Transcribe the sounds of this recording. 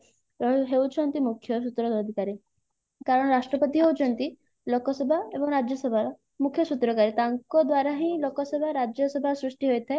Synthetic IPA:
ɦewt͡ʃʰɔnt̪imukʰːjɔsut̪ɾɔːd̪ʱikaɾi | kaɾɔɽ̃ɔɾasʈɾɔpɔt̪iɦewt͡ʃʰɔnt̪i | lokɔsebʱaebɔŋɾad͡ʒjɔsɔbʱa | mukʰjɔsut̪ɾɔkaɾit̪aŋkɔd̪waɾaɦĩlokɔsebʱaɾad͡ʒjɔsɔbʱasɾuʂʈiɦojt̪ʰae

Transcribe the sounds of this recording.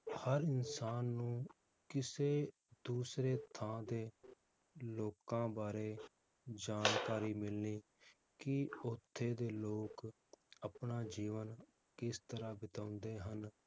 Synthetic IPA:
həɾɪnsaːnːũː | kɪseː | d̪uːsɾeːt̪ʰãːd̪eː | loːkãːbaːɾeː | d͡ʒaːnkaːɾiːmɪlniː | kɪoːt̪ʰːeːd̪eːloːk | əpnaːd͡ʒiːʋən | kɪst̪əɾaːbɪt̪aːʊ̃nd̪eːɦən

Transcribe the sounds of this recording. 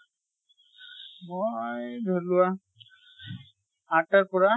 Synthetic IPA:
mojbʱolʊa | atakɔɹa

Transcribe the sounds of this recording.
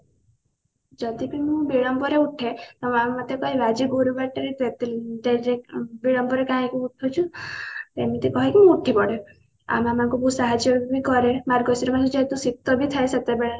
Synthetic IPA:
d͡ʒɔd̪ibimũbiɭɔmpɔɾeuʈʰet̪emɔ̃ammɔt̪ekɔɦibad͡ʒibuɾubaʈeɾet̪et̪eɖeɾebiɭɔmbɔɾekaɦĩkuːʈʰut͡ʃʰut̪emɔt̪ekɔɦikimũuʈʰipɔɽe | a̰mamaŋkubusaɦad͡ʒjɔbbʱibikɔɾemaɾɡɔsiɾɔmad͡ʒed͡ʒɔet̪ũsik̚t̪ɔbit̪ʰaeset̪ebeɭa

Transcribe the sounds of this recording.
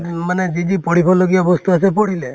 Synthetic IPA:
maned͡ʒid͡ʒipɔɽ̤ipʰɔloɡiabɔst̪uasɛpɔɽ̤ile

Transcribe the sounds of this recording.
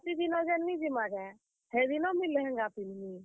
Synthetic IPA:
t̪id̪inɔd͡ʒɛnːid͡ʒimaɡɛ | hɛd̪inɔmilɛɦɛ̃ŋɡapinni

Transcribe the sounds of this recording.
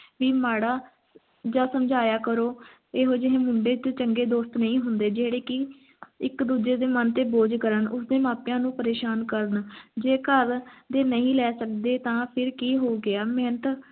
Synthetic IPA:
ʋiːmaːɽaː | d͡ʒãːsəmd͡ʒaːjaːkəɾoː | eːɦoːd͡ʒɪɦẽːmʊɳɖeːt̪et͡ʃəŋɡeːd̪oːst̪nəĩːɦʊnd̪eːd͡ʒeːɽeːkɪ | ɪkd̪uːd͡ʒeːd̪eːmənt̪eːboːd͡ʒkəɾənʊsd̪eːmaːpjãːnũːpəɾeːʃaːnkəɾənd͡ʒeːkəɾd̪eːnəĩːlɛːsəkd̪eːt̪ãːpʰɪɾkiːɦoːɡɪaːmɛ̃ːnət̪

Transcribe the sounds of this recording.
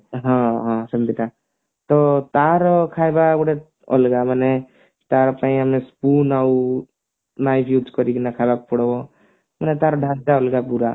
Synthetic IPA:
ɦãɦãsəmbit̪a | t̪ɔt̪aɾkʰaːjbabɽe | ɔ̰lɡamane | t̪aːɾpaĩəmẽspunau | naipʰjuːd͡ʒkɔɾiknakʰabapuɽbo | manet̪aːɾɖʱãnd͡ʒaolɡapuɾa̰

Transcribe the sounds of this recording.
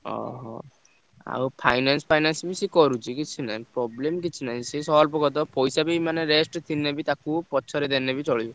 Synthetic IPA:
ɔ̰ɦɔ̰ | a̰wpʰajnanspʰajnansbisikɔɾut͡ʃʰikit͡ʃʰina̰jpɾɔblemkit͡ʃʰinaɦĩsesɔɦalpɔkɔt̪̬ɔpɔjsabimaneɾesʈt̪ʰinːebit̪akupɔt͡ʃʰɔɾed̪enːebit͡ʃɔɭib

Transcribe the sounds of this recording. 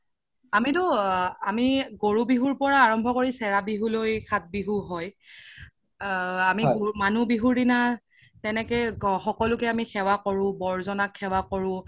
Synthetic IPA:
amitʊamiɡoɹubiɦuɹpɔɹaːɹɔmbʱɔkoɹisɛɹabiɦulojkʰat̚biɦuɦɔj | amiɡomanubiɦuɹdina | tɛnɛkɛxɔkɔlʊkɛamixɛwakɔɹʊ̃bɔɹzɔnakʰːɛwakɔɹʊ̃

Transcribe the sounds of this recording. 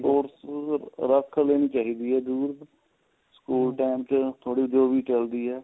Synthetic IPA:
oːɾsɾəkʰleːniːt͡ʃaːɦiːd̪iːɦɛːd̪uːɾ | skuːlʈaːmt͡ʃt̪ʰoːɽiːd͡ʒoːʋiːt͡ʃəld̪iːɦɛː

